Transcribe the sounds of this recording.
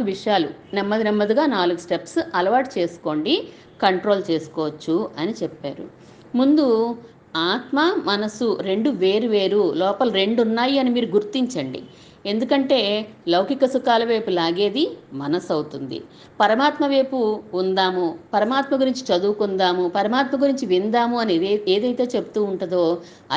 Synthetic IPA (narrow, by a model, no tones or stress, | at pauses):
uʋiʂjaːlunɛmːɐd̪inɛmːɐd̪iɡaːnaːluɡusʈe̞psɐlɐʋaːʈt͡ʃe̞ːsu̥ko̞ːɳɖi | kɐɳʈɾo̞ːlt͡ʃe̞ːsu̥kɔːʋɐt͡ʃːuɐnit͡ʃɛpːaːɾṵ | mund̪u | aːt̪mɐmɐnɐsuɾe̞ɳɖuʋe̞ːɾuʋe̞ːɾulɔːpɐlɾe̞ɳɖunːaːjiɐnimiːɾuɡuɾt̪iɲt͡ʃɐɳɖḭ | e̞nd̪ukɐɳʈe̞ːlɐwkikɐsukaːlɐʋe̞ːpulaːɡe̞ːd̪imɐnɐsɐwt̪und̪ḭ | pɐɾɐmaːt̪mɐʋe̞ːpuːnd̪aːmupɐɾɐmaːt̪mɐɡuɾiɲt͡ʃi̥t͡ʃɐd̪uːkund̪aːmupɐɾɐmaːt̪mɐɡuɾiɲt͡ʃiʋind̪aːmuɐnieːd̪ɐjt̪e̞ːt͡ʃe̞but̪uːɳʈɐd̪o̞ː | ɐ